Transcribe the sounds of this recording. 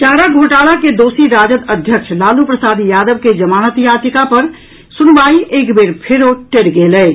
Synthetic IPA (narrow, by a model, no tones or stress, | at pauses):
ʈaːɾaɡʱoːʈaːlaked̪oːsiɾaːd͡ʒət̪əd̪ʱjəkt͡ʃʰlaːlupɾəsaːd̪ijaːd̪əbked͡ʒəmaːnət̪jaːt̪ɪkapəɾ | sʊnbaːiʔeːkbeɾpʰɪɾoʈeɽɡeːlɛː